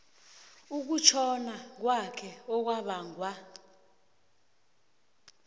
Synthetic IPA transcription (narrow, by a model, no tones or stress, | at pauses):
uk̬ut͡ʃʰɔnak̬wakʰɛɔk̬waɓaːŋwa